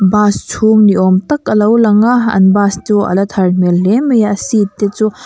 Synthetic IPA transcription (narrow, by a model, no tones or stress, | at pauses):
bastʰumniomtɐkɐlɐwlɐŋaɐ̰nbastuɐ̰lɐtʰɐɾmelːemɐjasitːet͡ʃu